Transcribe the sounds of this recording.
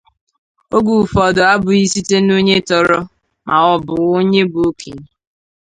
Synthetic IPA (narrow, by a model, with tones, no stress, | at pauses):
o˦ɡu˨fɔ˨dʊ˨a˦bʊ˨i˦si˦te˦no˦ɲe˦tɔ˨ɾɔ˦ | mʔa˨ɔ˦bʊ˨o˦ɲe˦bʊ˨o˦kḭ˨ɲ˨